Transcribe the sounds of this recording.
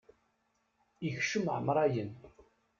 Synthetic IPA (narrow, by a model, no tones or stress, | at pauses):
içʃəmʕəmɾˤæjən